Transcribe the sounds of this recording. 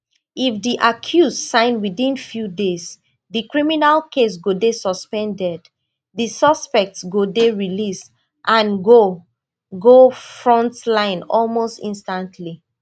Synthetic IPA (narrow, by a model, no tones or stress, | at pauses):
ifðiʔakʰjussãɪ̃nwiðĩnfjudez | ðikɹiminalkʰes̬ɡodesɔspɛ̃ndɛd | ðisʌspɛk̚tsɡodeɹilis | ʔãnɡo | ɡofɹɔ̃ntlãɪ̃nɔlmostĩnstãntʰli